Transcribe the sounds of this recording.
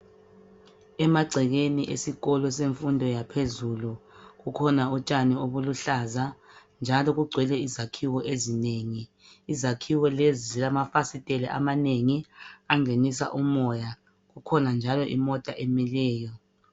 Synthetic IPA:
ɛmaɡ͡ǀʱɛɣeniʔesiɣɔlɔseɱfundʱɔjapʰezuluɣukʰɔnaut͡ʃʼanɛoβuluɬazand͡ʒʱalɔɣuɡ͡ǀʱwɛlɛizakʰiwɔʔezineŋiː | zakʰiwɔlezilamafasitʼɛlɛʔa̰maneŋiaŋʱenis̬a̰ʔumɔja | ɣukʰɔnand͡ʒʱalɔʔimɔtʼaʔɛmilɛːjɔ

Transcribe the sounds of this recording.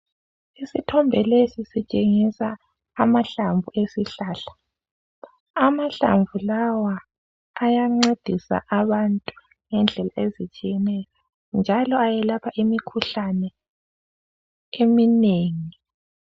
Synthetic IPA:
isitʰɔmbʱɛlesisit͡ʃʼeŋisaː | maɬaɱvuesiɬaːɬḁ | amaɬa̰ɱvulawaː | jaŋ͡ǀed̥ʱisa̰ʔaβantʼu | ŋɛnd͡ɮʱɛlaezit͡ʃʼijɛnɛjɔ | nd͡ʒʱalɔajɛlapʰaʔimikʰuɬanɛ | emineːŋii

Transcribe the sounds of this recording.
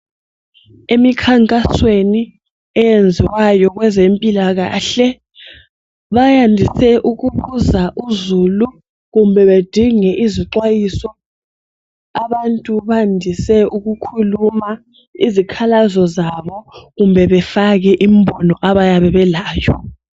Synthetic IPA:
emikʰaŋkʼasweni | ɛjend͡zʱiwajɔɣwɛzempʼilaɣa̰ːɬɛ | βajandʱisɛʔuɣuβuzaʔuzulu | ɣumbʱɛβed̥ʱiŋɛʔiziǀwajisɔ | aβantʼuβandʱisɛʔuɣukʰuluma | izikʰalazɔzaβɔɣumbʱɛβɛfaɣɛʔim̩bʱɔnɔʔaβajaβɛβɛlaːjɔ̰

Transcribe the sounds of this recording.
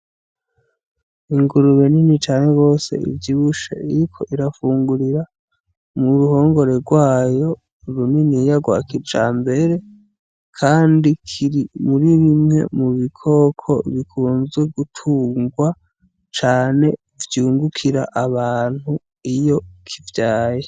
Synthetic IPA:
iŋɡuɾuβeninit͡ʃaːne̞ɡo̞ːse̞̰ḭvjiβuʃaiɾikʰo̞̰ʔiɾafuːŋɡuɾiɾa | muɾuho̞ːŋɡo̞ɾe̞ɾɡwaːjo̞ | ɾuninijaɡwa̰ːkiɾt͡ʃa̰ːmbe̞ɾe̞ | kʰaːndikʰiɾimuɾiβimŋe̞̰muβikʰo̞kʰo̞̰βikʰuːnzɡe̞ɡutʰuːŋɡwa | t͡ʃaːne̞ | vjuːŋɡukʰiɾa̰ʔaβaːn̥hu | ijo̞kʰivjaːje

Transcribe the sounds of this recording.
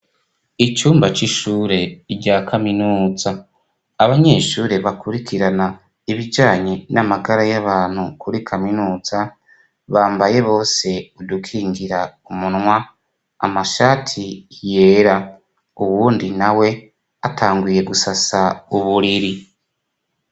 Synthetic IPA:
it͡ʃuːmbat͡ʃiʃuːɾe̞iɾɟaːkʰaminuːzaː | βaɲe̞ʃuːɾe̞βakuɾikʰiɾana | iβid͡ʒaːɲenamaɡaɾajaβaːn̥hukʰuɾikʰaminuːz̥a | βaːmbaje̞βo̞ːse̞udukʰiːŋɡiɾaumunwa̰ː | maʃaːtʰije̞ːɾa | uwuːndinawe̞ | atʰaːŋɡuje̞ɡusasauβuɾiɾi

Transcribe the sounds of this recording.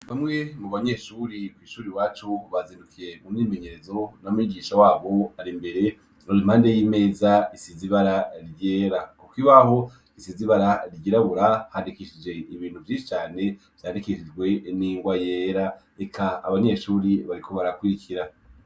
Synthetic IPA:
βamŋe̞mukβaɲe̞ʃuɾikwiːʃuːɾiwaːt͡ʃuβazindukʰiɾe̞mumime̞ɲe̞ɾe̞zo̞namuiɡiːʃawaːβo̞aɾimbe̞ɾe̞ | nolimhaːnde̞jime̞ːzaisiziβaɾaɾjeːɾakukiβaɦo̞ | isiziβaɾaɾɟiɾaβuɾahandikiʃid͡ʒe̞iβiːnhuvjiːʃi̥t͡ʃaːne̞ | v̥jaːndikiʃid͡ʒɡwe̞niːŋɡwajeːɾa | ekʰa̰ːβaɲe̞ʃuːɾiβaɾikʰo̞βaɾakuɾikʰiɾa

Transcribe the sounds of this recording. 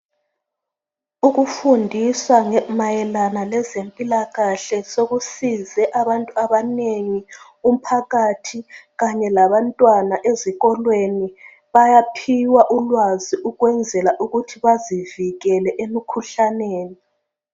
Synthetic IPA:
uɣufundʱiswaŋɛmajɛlanalɛzempʼilaɣaɬɛsoɣusizɛʔaβantʼuaβaneŋi | um̩pʰaɣatʰiɣaɲɛlaβantʼwanaʔeziɣɔlweni | βajapʰiwaʔulwaziʔuɣwɛnd͡zʱɛlaʔuɣutʰiβaziviɣɛlɛʔemikʰuɬaneːni

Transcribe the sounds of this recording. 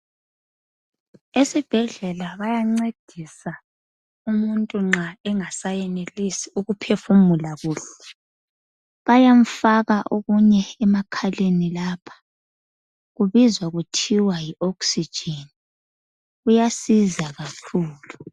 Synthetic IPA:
esib̥ʱɛɮɛlaβajaŋ͡ǀed̥ʱisa | umuntʼuŋ͡ǁaɛŋasajɛnelisiuɣupʰefumulaɣuːɬɛ | βajam̩faɣaʔoɣuɲɛːmakʰalenilaːpʰḁ | ɣuβizwaɣutʰiwajiʔɔksid̥ʒ̥ʱeni | ujasizaɣakʰuːlu

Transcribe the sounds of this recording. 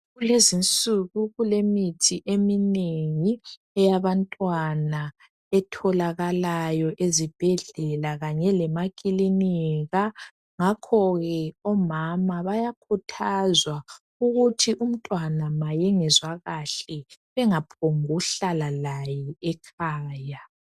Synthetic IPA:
ɣulezint͡sʼuɣuɣulemitʰiʔemineŋi | ɛjaβantʼwana | ɛtʰɔlaɣalajɔʔezib̥ʱɛɮɛlaɣaɲɛlɛmakʼiliniɣa | ŋakʰɔɣɛɔmamaβajakʰutʰazwa | uɣutʰiʔum̩tʼwanamajɛŋɛzwaɣaɬɛβɛŋapʰoŋuɬalalajɛɛkʰaːja

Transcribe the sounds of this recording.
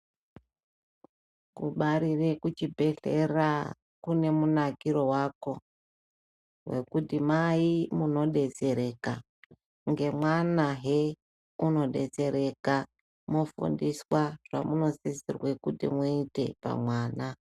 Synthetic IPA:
kṵɓaɾirekut͡ʃibʱe̞ɬe̞ra | kune̞munakiɾo̞wako̞ | we̞̰kutimaimuno̞ɗe̞ze̞ɾe̞ːka | ŋɡe̞mwanaɦe | uno̞ɗe̞̰ze̞ɾe̞ka | mo̞fṵndiswaʐ̥a̰muno̞sisḭrwe̞kutḭmuite̞̰pa̰mwaːna

